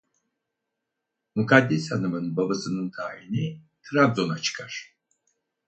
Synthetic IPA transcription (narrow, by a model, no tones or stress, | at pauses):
mukʰad̪ːishanɯmɯnbabasɯnɯnt̪ʰaːini | t̪ʰɾab̪zo̞nat͡ʃʰɯ̥kʰaɾ̥